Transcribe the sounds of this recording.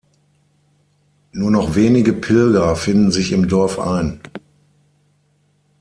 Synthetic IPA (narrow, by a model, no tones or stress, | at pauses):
nuːɐnɔχv̥eːnɪɡəpʰɪlɡɐfɪndn̩zɪçɪmdɔɐfʔa̰ɪn